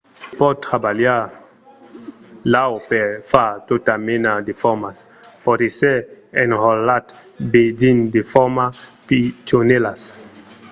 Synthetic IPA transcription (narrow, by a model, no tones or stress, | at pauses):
pɔt̪ːɾabalja | lawpeɾfat̪ot̪amenad̪efɔmas | pɔt̪eseenhɔlat̪ | bed͡ʒind̪efɔmapit͡ʃonelas